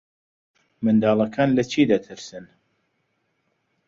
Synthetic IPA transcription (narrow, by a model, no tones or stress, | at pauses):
mɨnd̪aːlˠɐkʰaːnlɐt͡ʃʰiːd̪ɐt̪ʰɨɾsɨn